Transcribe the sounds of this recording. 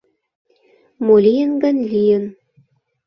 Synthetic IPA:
molʲijənɡənʲlʲijən

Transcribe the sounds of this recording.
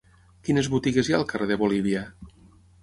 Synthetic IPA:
kinezβut̪iɣezjaəlˠkəreðeβoliβ̞iə

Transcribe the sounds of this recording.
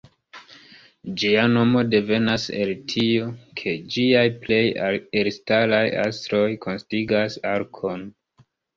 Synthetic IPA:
d͡ʒiano̞mo̞de̞ve̞nase̞ltʰiokʰe̞d͡ʒiajple̞jeɾstalaja̰stɾo̞jkʰo̞nstiɡasaɾkʰo̞n

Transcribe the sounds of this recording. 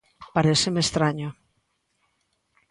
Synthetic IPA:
paɾesemest̪ɾaɲo

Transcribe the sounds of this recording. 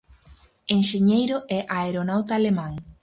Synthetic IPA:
enʃeɲejɾoʔɛʔaeɾonawt̪aːlemãŋ

